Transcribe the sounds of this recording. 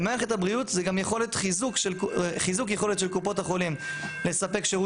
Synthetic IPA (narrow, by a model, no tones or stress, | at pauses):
meaχetabʁiutzeɡamjeχo̞letχizukʃelχizukjeχo̞letʃe̞lkupo̞taχo̞limle̞sape̞kʃeʁu